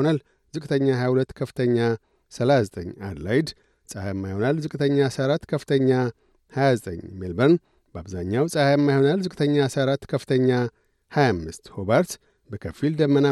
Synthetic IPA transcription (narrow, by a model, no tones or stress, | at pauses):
onal | zɨkʼt̪ʰəɲːahajahulət̪ːkʰəfɨ̥t̪ʰəɲːa | səlazət̪ʼəɲːa̰d̪la̰jd̪ | sʼahajmːajho̞nalzɨkʼt̪ʰəɲːasəaɾat̪ːkʰəfɨt̪ʰəɲːa | hajazət̪ʼə̰ɲːmilbən | bəaβza̰ɲːawsʼahajmːajho̞nalzɨkʼɨt̪ʰəɲːasəaɾat̪ːkʰəfɨt̪ʰəɲːa | hajamːɨst̪hobaɾt̪ | bəkʰəfild̪əmːəna